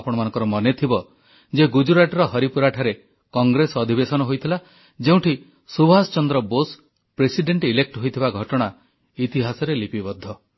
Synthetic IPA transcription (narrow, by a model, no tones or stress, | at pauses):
pɔɽ̃ɔmanɔ̃ŋkɔɾɔmɔnet̪ʰibɔ | d͡ʒeɡud͡ʒuɾaʈɾɔɦɔɾipuɾaʈʰaɾe | kɔŋɡɾesɔd̪ʱibesɔnɔɦojt̪ʰila | d͡ʒeũʈʰi | subʱast͡ʃɔnd̪ɾɔbos | pɾesiɖeɳʈilek̚ʈɦojt̪ʰibaɡʱɔʈɔɽ̃a | it̪iɦasɔɾelipibɔd̪ʱːɔ